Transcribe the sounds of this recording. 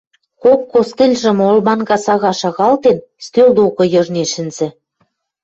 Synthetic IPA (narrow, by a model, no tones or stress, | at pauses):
kokːost̪elʲʒɘ̆molmɑnɡɑsɑɣɑʃɑɣɑlt̪en | st̪øld̪okɤ̆jɤ̆ʒneʃɘ̆nz̥ɘ̆